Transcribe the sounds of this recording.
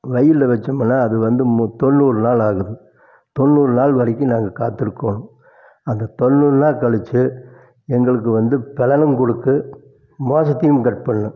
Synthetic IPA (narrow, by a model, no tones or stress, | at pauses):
ʋɐjɪlːɐʋɐt͡ʃːɐmɐnːaːɐðɯʋɐnd̪ɯmt̪ɔnːuːɾɯnaːlaːɣɯðɯ | t̪ɔnːuːɾɯnaːɭʋɐɾɪkːinaːŋɡɐkaːt̪ːɪɾɯkːoɳʊ̃ | ɐnd̪ɐt̪ɔnːuːɾɯnãːkɐɭɯt͡ʃːɯ | ɛŋɡɐɭɯk̬ːɯʋɐnd̪ɯpɛlɐnɯmkɔɽɯkːɯ | moːsɐt̪ːɪjɯmkɐʈ̚pɐɳːɯ̃